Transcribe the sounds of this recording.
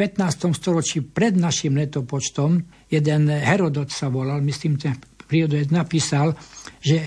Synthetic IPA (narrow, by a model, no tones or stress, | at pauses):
pɛt̪naːst̪ɔmst̪ɔɾɔt͡ʃiːpɾɛd̪naʃimlɛt̪ɔpɔt͡ʃt̪ɔm | jɛd̪ɛnɦɛɾɔd̪ɔt̪saʋɔlalmisliːmt̪ɛpɾiɔd̪ɔɛt̪napiːsalʒɛ